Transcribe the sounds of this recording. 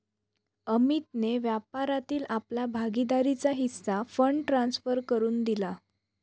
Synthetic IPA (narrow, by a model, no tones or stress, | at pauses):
əmit̪neʋjapaɾat̪iːlaplabʱaɡid̪aɾit͡saɦisːafəɳʈɾãnsfəɾkəɾuːnd̪ila